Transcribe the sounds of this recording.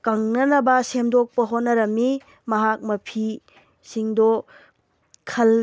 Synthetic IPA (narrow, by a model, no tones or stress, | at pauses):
kɐŋnɐnɐbɐsemdok̚pɐɦotnːɐɾɐmːi | mɐɦak̚mɐpʰi | siŋdɔ | kʰɐl